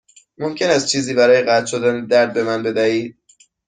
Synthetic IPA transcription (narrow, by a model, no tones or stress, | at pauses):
momcʲʰe̞næst̪̚t͡ʃʰiːziːbæɾɒːjeɣæt̪ʰʃo̞d̪æned̪æɾd̪̚be̞mænbe̞d̪æhiːd̪̥̚